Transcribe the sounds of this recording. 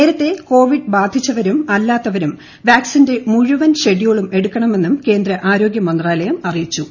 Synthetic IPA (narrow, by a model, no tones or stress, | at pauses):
neːɾɐt̪ːe̞ko̞ːʋiɖbaːd̪ʱit͡ɕːɐʋɐɾumɐlːaːt̪ːɐʋɐɾum | ʋjaːksinde̞muɻuʋɐnɕe̞ɽijoɭume̞ɽukːɐɳɐme̞nːumke̞ːnd̪ɾɐʔaːɾo̞ːɡjɐmɐnd̪raːlɐjɐmɐrijit͡ɕːu